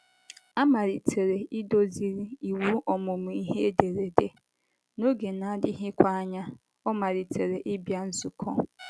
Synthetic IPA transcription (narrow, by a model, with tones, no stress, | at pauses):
a˦ma˨ɾi˨tʰe˨ɾe˨ʔɪ˦do˦zi˦ɾi˦i˨wu˦ʔɔ˨mʊ˨mʊ˨i˦ɦe˦de˨ɾe˨de˨ | no˦ɡe˨na˨a˨dɪ˦ɦɪ˦kʷa˦a˦ɲa˦ | ɔ˦ma˨ɾi˨tʰe˨ɾe˨ʔɪ˦bja˦n̩˦zu˨kʰɔ̰˦